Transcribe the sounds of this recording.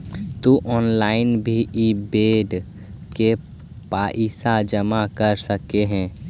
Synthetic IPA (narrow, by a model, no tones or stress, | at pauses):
t̪uʔɔːnlaːɪnbʱiʔibeːɖ | ke | paːʔiːsad͡ʒəmakəɾsəkeɦɛ̃ː